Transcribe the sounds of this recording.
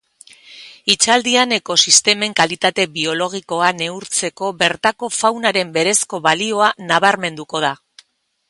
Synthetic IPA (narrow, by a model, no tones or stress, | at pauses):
it͡ʃald̪iane̞ko̞sist̪e̞me̞ŋkalit̪at̪e̞βio̞lo̞ɣ̞iko̞ane̞uɾt͡se̞ko̞βe̞ɾt̪ako̞fawnaɾe̞mbe̞ɾe̞sko̞βalio̞anaβ̞aɾme̞nd̪uko̞ð̞a